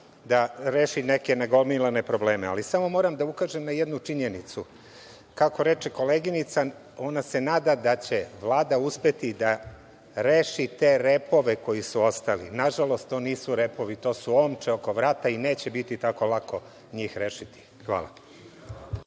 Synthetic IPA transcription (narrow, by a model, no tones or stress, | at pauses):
d̪aɾeːʃineke̞neɡo̞lmilˠane̞pɾo̞ble̞ːmea̰lisamo̞mo̞ːɾamd̪aukaːʒemnajed̪nut͡ʂiɲenit̪su | kako̞ɾe̞t͡ʃeko̞le̞ɡinit̪sa | o̞nase̞naːd̪ad̪at͡ɕe̞ʋlˠaːd̪auspe̞t̪id̪a | ɾeːʃit̪e̞ɾepo̞ʋe̞ko̞jisuo̞st̪alḭnaʒalo̞st̪ːo̞ːniːsuɾe̞po̞ʋit̪o̞ːsuomt͡ʃeo̞ko̞ʋɾaːt̪aine̞ːt͡ɕebit̪it̪ako̞lˠako̞ | ɲiːxɾe̞ːʃit̪i̥ | xʋa̰ːla̰